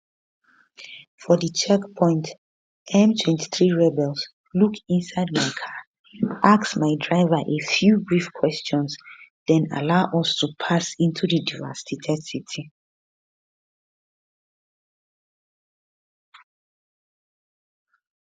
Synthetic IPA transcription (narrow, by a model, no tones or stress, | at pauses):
fɔdət͡ʃɛkpʰɔ̃ɪ̃nt | ʔɛ̃mtʰwɛ̃ntʰi̥θɹiɹɛbɛls | lukʰĩnsaɪd̚maɪkʰa | ʔaksmaɪdɹaɪvaʔefjubɹifkʰwɛst͡ʃɔ̃nsðɛ̃na̰laʊʔɔstʰupʰasĩntʰudidivɛ̰sitʰɛdsitʰi